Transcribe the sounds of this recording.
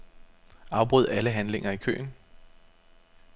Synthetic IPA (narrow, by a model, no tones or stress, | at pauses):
ɑ̈ʊb̥ʁuð̰ˠæləɦænle̝ŋɐikʰø̰ːn